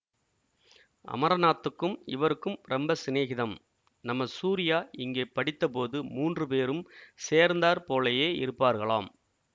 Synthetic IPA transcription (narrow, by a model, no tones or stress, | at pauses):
ʔɐ̰mɐɾɐnaːt̪ːɯkːɯmɪ̰ʋɐɾɯkːɯmɾɛmbɐsɪneːɣɪðɐm | nɐmːɐsuːɾɪjaːʔɪŋɡeːpːɐɽɪt̪ːɐpoːðɯmuːndrɯpeːɾɯmseːɾnd̪aːɾpoːlejeːɪ̰ɾɯpːaːɾɣɐɭaːm